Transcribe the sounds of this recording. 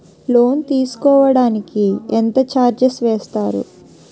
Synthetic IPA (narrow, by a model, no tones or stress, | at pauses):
lo̞ːnt̪iːsu̥kɔːʋɐɽaːnikient̪ɐt͡ʃaːɾd͡ʒesʋɛːst̪aːɾṵ